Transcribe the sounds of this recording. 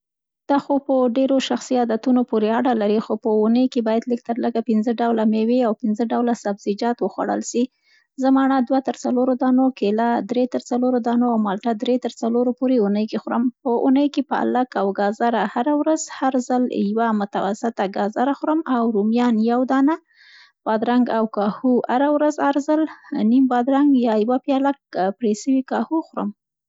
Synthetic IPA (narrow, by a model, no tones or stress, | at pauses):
d̪̥ɑxopəɖeɾoʃaxsiɑd̪at̪unopoɾeaɽalaɾixopəunəjkebɑjad̪lək̚t̪əɾləɡapɪnzəɖawlameweawpɪnzəɖawlasabzid͡ʒɑt̪wəxwa̰ɽə̰lʃi | zəmɑɳad̪wat̪əɾt͡saloɾod̪ɑnokelad̪ɾet̪əɾt͡saloɾod̪ɑnoawmɑlʈad̪ɾet̪əɾt͡saloɾopoɾeunəjkexɾəmpəʔunəjkepəa̰lakawɡɑzaɾahaɾawɾazhaɾzaljwamʊt̪awa̰sɪt̪aɡɑzaɾaxɾəmawɾumjɑnjawd̪ɑna | b̥ɑd̪ɾaŋɡawkɑhuaɾawɾazaɾzalnimbɑd̪ɾaŋɡjɑjwapjɑlak̚pɽesəwikɑhuxʊɾə̰m